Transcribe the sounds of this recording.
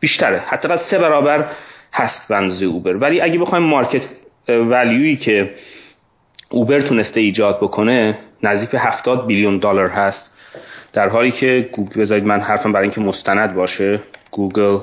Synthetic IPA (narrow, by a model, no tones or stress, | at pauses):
b̥iːʃt̪æɾehæd̪ːæːɣæd̪se̞bæɾɒːbæɾhæst̪beænd̪ɒːzejeuːbe̞ɾvæliːʔæɟebexɒːjmːɒɾcʰet̪ʰ | væljuːiːcʰe̞ | ʔuːbe̞ɾt̪ʰune̞st̪eiːd͡ʒɒːd̪̚bo̞kʰo̞ne̞næzd̪iːcbe̞ɦæft̪ɒːd̪̚biljund̪oːlæɾɦæst̪ | d̪̥æɾɦɒːliːcʰe̞ɡuɡbe̞zɒːɾiːd̪mænhæɾfæmbæɾiŋcʰemost̪ʰænæd̪̚bɒːʃeɡ̥uːɡel